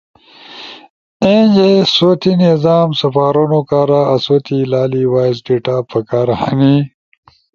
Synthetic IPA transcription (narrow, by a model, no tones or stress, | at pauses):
ẽd͡ʑesoːt̪inezaːmsɐfaːɾonokaːɾaɐsoːt̪ilaːliwaːjzɖeʈaːpɐkaːɾha̰ni